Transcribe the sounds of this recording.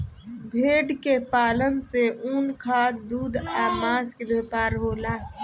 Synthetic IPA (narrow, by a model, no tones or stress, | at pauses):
bʱeːɖkepaːlənseʔuːnkʰaːt̪d̪uːd̪aːmaːskebeːpaːɾɦoːlaː